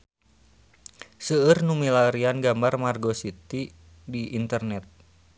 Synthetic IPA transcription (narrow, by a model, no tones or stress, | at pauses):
səərnumilaɾianɡambarmarɡosit̪i | diint̪ərnɛt̪̚